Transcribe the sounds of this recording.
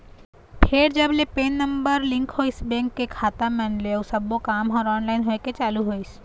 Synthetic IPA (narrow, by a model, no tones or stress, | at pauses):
pʰeɾd͡ʒɐblepeːnːə̃mbəɾlɪ̃ŋkɦoːɪsbɛ̃ːŋkːekʰaːt̪amɛ̃nleosɐbokaːmɦɔːɾɔːnlaːɪnɦoːeket͡ʃaːluɦoːis